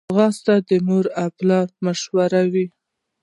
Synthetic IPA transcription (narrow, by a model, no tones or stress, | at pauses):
ɣɑst̪ad̪əmuɾaplɑɾmaʃwaɾawi